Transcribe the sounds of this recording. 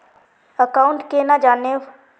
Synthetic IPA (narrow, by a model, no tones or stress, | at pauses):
əkaːʊ̃ɳʈkenad͡ʒaːne